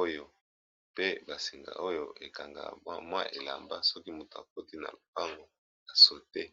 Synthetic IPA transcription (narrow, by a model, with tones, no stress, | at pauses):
o˦jo˨ | pe˦ba˨si˨ŋɡa̰˨ʔo˦jo˨ʔe˨ka˨ŋɡa̰˨˦mwa̰˦ʔe˨la̰˨mba̰˦sɔ˦ki˦mu˨to˨a̰˨k̚o˦ti˦na̰˨lo˨pa˦ŋɡo˨ | a˨so˨te˦